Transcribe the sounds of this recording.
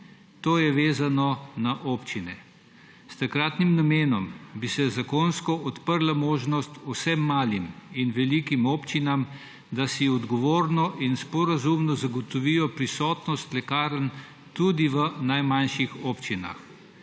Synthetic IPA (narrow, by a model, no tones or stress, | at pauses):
t̪oːjɛʋeːzanɔnaʔoːpt͡ʃinɛ | st̪akɾaːt̪nimnameːnɔmbisɛzakoːnskɔʔɔt̪pəɾlamoːʒnɔst̪usɛmːaːliminʋɛlikimɔːpt͡ʃinam | d̪asiɔd̪ɡɔʋoːɾnɔʔinspɔɾazumnɔzaɡɔt̪ɔʋiːjɔpɾisɔːt̪nɔst̪lɛkaːɾən | t̪ud̪iʋənajmanʃixɔːpt͡ʃina̰x